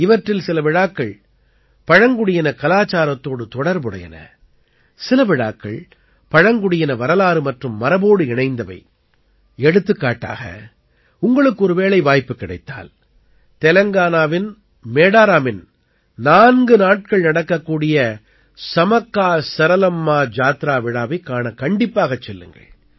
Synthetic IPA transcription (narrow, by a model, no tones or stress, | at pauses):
ɪʋɐʈrɪlsɪlɐʋɪɻaːkːɐɭ | pɐɻɐŋɡɯɽɪjɐnɐkɐlaːt͡ʃːaːɾɐt̪ːoːɽɯt̪ɔɽɐɾbɯɽɐ̰jɐ̰nɐ̰ | sɪlɐʋɪɻa̰ːkːɐ̰ɭ | pɐɻɐŋɡɯɽɪjɐnɐʋɐɾɐlaːɾɯmɐʈrɯmːɐɾɐboːɽɯɪɳɐɪnd̪ɐʋɐ̰ɪ | ɛɽɯt̪ːɯkːaːʈːa̰ːɣɐ̰ | ʊŋɡɐɭɯkːɯɔɾɯʋeːɭɐɪʋaːjpːɯkːɪɽɐɪt̪ːa̰ːl | t̪ɛlɐŋɡaːnaːʋɪn | meːɽaːɾaːmɪn | naːnɡɯnaːʈ̚kɐɭnɐɽɐkːɐkːuːɽɪjɐ | sɐmɐkːaːsɐɾɐlɐmːaːd͡ʒaːt̪ɾaːʋɪɽaːʋɐɪkːaːɳɐkɐɳɖɪpːaːɣɐt͡ʃːɛlːɯ̰ŋɡɐ̰ɭ